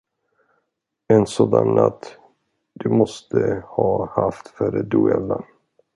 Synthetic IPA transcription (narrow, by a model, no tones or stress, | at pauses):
ɛnsoːd̪anːat̪ː | d̪̥ɵmɔst̪ʰəhɑːhaft̪fœɾəd̪ʉɛlan